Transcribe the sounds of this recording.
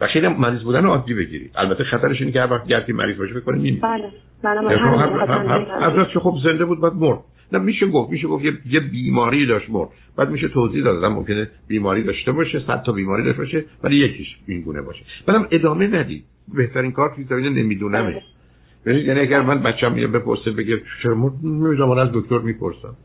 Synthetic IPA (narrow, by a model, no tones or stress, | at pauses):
væ̰xʃeinæmmæɾiːzbuːd̪æneɒːd̪ːibe̞ɡɟḭɾḭʔæ̰lbæt̪ʰːexæt̪æɾeʃiːnecʲehæɾvæχt̪̚ɟæɾt̪ʰiːmʔæ̰ɾiːzbɒːʃifekːonimimḭː | æʃomɒɦhæhæɾzæt̪kʰexobze̞nd̪ebuːd̪̚bæːd̪̚moɾd̪̥̚ | næmiːʃeɡoft̪miːʃ̬eɡoft̪jejebiːmɒːɾiːd̪ɒːʃtmo̰ɾd̪̚ | bæːd̪miːʃet̪ʰoziːhd̪ɒːd̪ɒːd̪æmo̰mcʰeneb̥iːmɒːɾiːd̪ɒʃt̪ebɒːʃesæ̰d̪t̪ʰːɒbiːmɒːɾiːd̪ɒ̰ʃtbɔːʃevælijekʰiʃiŋɡuːne̞̰bɒ̰ːʃebæd̪æme̞d̪ɒːmenæd̪ḭd̪̥ | be̞ht̪ʰæɾiːŋkʰɒːɾt̪ʰuizæmiːnenḛmiːd̪uːnæmeʃ | bebinid̪jæniæɟæɾmænbæt̪t͡ʃːeæmijɑ̰bepoɾsibe̞ɟet͡ʃʰeɾmoɾd̪̚mimiːzæmːɒnæzd̪okʰt̪oɾmipʰoɾsæ̰m